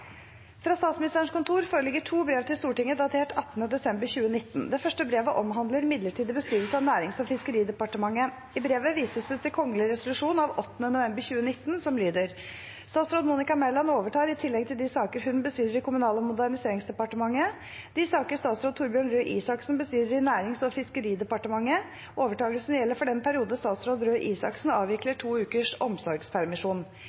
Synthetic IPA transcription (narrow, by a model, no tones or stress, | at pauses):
fɾɑːst̪ɑːt̪smɪnɪst̪əəɳ̩ʂkʊnt̪ʰuːɾfoːɾəlɪɡəʈʰuːbɾeːʋt̪ʰɪlst̪uːʈɪŋːəd̪ɑt̪ʰeːʈʰɑt̪ːənəd̪ɛsɛmbəɾçʉːənɪt̪ːnd̪ɛfœʂʈəbɾeːʋəʔɔmɦɑnd̪ləɾɪmɪd̪ləʈʰiːd̪əbəst̪yːɾʋəlsəɑʋnæːɾɪŋsɔfɪskəɾiːd̪ɛpɑʈəmɑŋːə | ɪbɾeːʋəʋiːsəsd̪ɛt̪ʰɪlkʰɔŋːəlɪɾɛsʊlʉʂuːnɑʋɔt̪ːənənʊʋɛmbəɾçʉːənɪt̪ːnsɔmlyːd̪əɾ | st̪ɑːt̪sɾoːd̪muːnɪkɑmɛlɑnoːʋəʈɑːɾɪt̪ʰɪlːɛɡ̚t̪ʰɪld̪ɪsɑːkəɾɦʉnbəst̪yːɾəɾɪkʰʊmʉnɑːləmʊd̪æɳɪseːɾɪŋsd̪ɛpɑʈəmɑŋːə | d̪̥ɪsɑːkəɾst̪ɑːt̪sɾoːd̪t̪ʰʊːɾbjøːɳɾøːʔḭːsɑksn̩bəst̪yːɾəɾɪnæːɾɪŋsɔfɪskəɾiːd̪ɛpɑʈəmɑŋːə | oːʋəʈɑːɡəlsnjɛlːəɾfɔɖɛnpʰæɾɪuːd̪n̩st̪ɑːt̪sɾoːd̪ɾøːʔiːsɑ̰ksn̩ɑːʋɪkləʈʰuːʉːkəʂɔmsɔɾɡspʰæɾmɪʂuːn